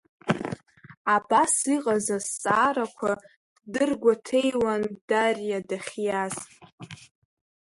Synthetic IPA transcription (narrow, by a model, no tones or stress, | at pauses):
abasiqʼazast͡sʼaːɾakʷʰa | dɨrɡʷatʰe̞jwand̥arjadaχʲjazʼ